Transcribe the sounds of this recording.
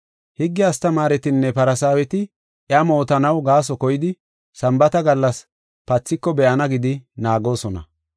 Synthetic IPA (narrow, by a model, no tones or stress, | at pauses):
hɪɡːɪɐst̪ɐmaːɾɛt̪ɪnːɛpɐɾɐsaːwɛt̪ɪ | ʔjɐmo̞ːt̪ɐnɐwɡaːs̬ɔkɔjɪd̪ɪ | sɐmbɐt̪ɐɡɐlːɐs | pɐt͡sːɪkːɔbɛʔɐnɐɡɪd̪ɪnaːɡo̞ːsɔnɐ̰